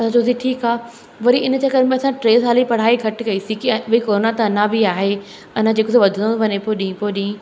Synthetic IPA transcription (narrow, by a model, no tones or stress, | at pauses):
ɐsãd͡ʑoːziʈʰiːkaː | ʋɐɾiɪnə̆t͡ɕɐkəɾmẽɐsãʈɾeːzɦaːlipɐɽ̤aːiɡʱɐʈkɐisĩkiʋɐikoːɾonat̪ɐɐnãbʱiaːɦe | ɐn̤ãd͡ʑeːkʊsoʋɐd̪ʱənə̃ʋɐɲepoɗĩːpoːɗĩː